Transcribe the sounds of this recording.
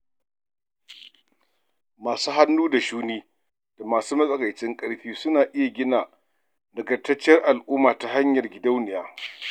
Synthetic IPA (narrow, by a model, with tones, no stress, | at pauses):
maː˨suː˦ɦa˦nːuː˦da˨ʃuː˦niː˦ | d̥a˨maː˨suː˦mɐ˦sʼɐ˨ka˨jt͡ʃɪ˦ŋkʼɐ˦ɽɸiː˦sʊ˦naː˨ʔɪ˦ja˨ɡʲɪ˦naː˨ | dɐ˨ɡɐ˨tːɐ˦t͡ʃːɪ˦ɐ˦rʔa˨lʔuː˦maː˨ta˨ɦa˦ɲjɐ˨rɡʲɪ˨da˦wnɪ˨jaː˦